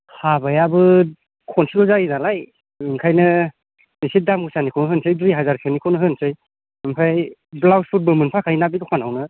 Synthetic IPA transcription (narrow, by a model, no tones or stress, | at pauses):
habajabɯ | kʰɔnsiɡɔzajinalaj | ɯŋkʰajnɯ | nisit̚damɡɯsanikʰɔnɦɯnsʰɯjdɾiɦazaɾsʰenikʰɔnɯɦɯnsɯj | mɯmpʰajblawspʰut̚bɯmɯnpʰakʰajnabidɔkʰanawnɯ